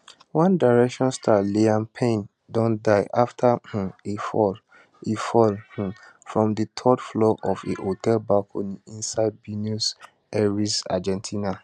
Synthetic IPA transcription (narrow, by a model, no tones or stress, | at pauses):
wãndaɹɛkʃɔ̃nstʰaliãnpʰẽn | dɔ̃ndaɪʔaftʰah̩ifɔl | ifɔlh̩ | fɹɔ̃mdətʰɔdflɔʔɔvḛʔotʰɛlbalkʰoniĩnsaɪd̚binus | ɛɹisa̰d͡ʒɛ̃ntʰina